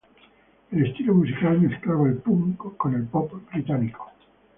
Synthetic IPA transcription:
elest̪ilomusikalmesklaβaelpuβlikokonelpɔpbɾit̪aniko̥

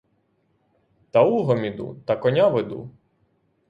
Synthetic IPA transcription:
t̪ɐuɦɔmʲid̪ṵt̪ɐkɔnʲaʋed̪ṵ

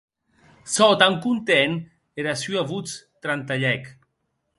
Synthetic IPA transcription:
sɔt̪aŋkunt̪ɛn | eɾasyaβut͡st̪ɾant̪aʎɛk

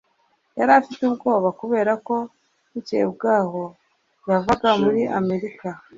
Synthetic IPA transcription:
jaɾafitub̚ɡo̞ːβakuβe̞ːɾako̞ | icḛbɡaːho̞ | javaɡamuɾiʔame̞ɾika

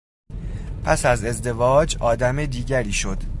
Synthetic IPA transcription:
pʰæsæze̞zd̪e̞vɒːd͡ʒʔɒːd̪æmed̪iːɟæɾiːʃo̞d̪̥

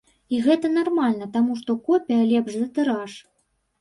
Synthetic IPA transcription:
iɣɛt̪ɐnarmalʲnɐt̪amuʂt̪ɔkɔpʲɛjɐlʲɛbʐzɐt̪ɨɾaʂ

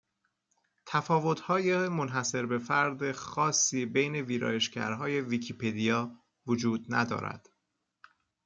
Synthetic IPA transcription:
t̪ʰæfɒːvo̞t̪hɒːjemonɦæse̞ɾbe̞fæɾd̪exɒːsːiːbe̞jne̞viːɾɒ̰ːjeʃcæ̰ɾɦɒːje̞vicʰiːpʰed̪ijɒː | vod͡ʒuːd̪næ̰d̪ɒ̰ːɾæ̰d̪̥

